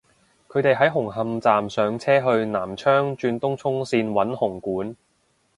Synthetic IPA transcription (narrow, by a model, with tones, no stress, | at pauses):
kʰɵ˨˧ɥt̪e˨jɦɐ˨˥jɦʊ˨˩ŋɦɐ˨˧mt͡saː˨msœː˨˧ŋt͡sʰɛː˥ɦɵ˧ɥnaː˨˩mt͡ʃʰœː˥ŋt͡ʃyː˧nt̪ʊ˥ŋt͡sʰʊ˥ŋsiː˧nwɐ˨˥nhʊ˨˩ŋkuː˨˥n